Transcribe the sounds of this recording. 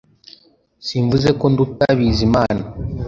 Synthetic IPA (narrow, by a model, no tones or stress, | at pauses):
siɱvuze̞ko̞ndutaβizimaːna